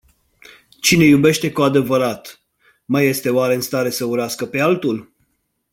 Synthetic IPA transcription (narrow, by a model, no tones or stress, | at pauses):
t͡ʃine̞jube̞ʃt̪e̞kuad̪e̞vəɾat̪ | maje̞st̪e̞oaɾe̞ɨnst̪aɾe̞səuɾeaskəpe̞alt̪ul